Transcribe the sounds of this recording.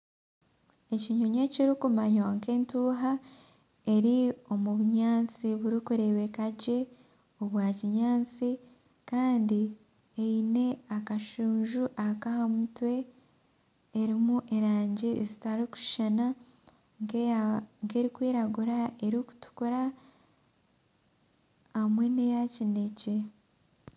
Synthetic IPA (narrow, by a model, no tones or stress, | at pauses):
e̞ciɲoɲe̞ciɾikumaɲwaŋke̞ːntuːɦa | e̞ɾio̞muβuɲaːnt͡siβuɾikuɾe̞βe̞kaɟe̞ | oβwaːciɲaːnt͡si | kaːndi | eine̞akaʃuːɲʒuʔakahamutwe̞ | ɾimuʔe̞ɾaːɲɟeezitaɾiku̥ʃana | ŋɡe̞ːɾikwiːɾaɡuɾae̞ɾiku̥tu̥kuɾa | hamwe̞ne̞jacinece